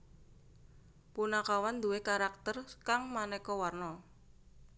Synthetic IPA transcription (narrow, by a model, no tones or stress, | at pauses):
punakawand̪uwekaɾak̚t̪ərkaŋmanɛkɔwarnɔ